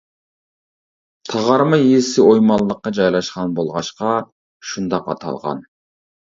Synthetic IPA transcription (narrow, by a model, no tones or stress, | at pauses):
t̪ʰɑʁɑɾmɑiesɪojmɑlˠːəqːɑd͡ʒɑjlˠɑʃqɑnbolˠʁɑʃqɑ | ʃund̪ɑqɑ̰t̪ʰɑ̰lˠʁɑ̰n